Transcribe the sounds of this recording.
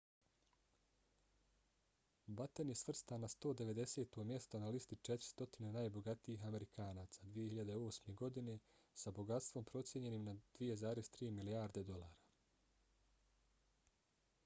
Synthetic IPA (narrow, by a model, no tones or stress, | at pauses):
bat̪enje̞sʋr̩st̪anast̪o̞ːd̪e̞ʋe̞d̪e̞se̞ːt̪o̞mje̞st̪o̞nalist̪it͡ʃet̪ɾi̥st̪o̞t̪inenaːjbo̞ɡat̪iiːɦame̞ɾikʰaːnaːt̪sad̪ʋije̞hiʎad̪eo̞ːsme̞ɡo̞d̪ine̞ | sabo̞ɡat̪st̪vʋo̞mpɾo̞t̪sje̞ɲe̞nimnad̪̥ʋije̞zaːɾest̪ɾiːmiliaːɾd̪e̞d̪o̞laːɾa